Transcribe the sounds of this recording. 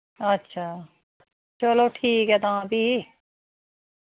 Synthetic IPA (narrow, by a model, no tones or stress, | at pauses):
ətːʃʰaː | t͡ʃəloːʈʰiːkɦɛːt̪ãːbʱiː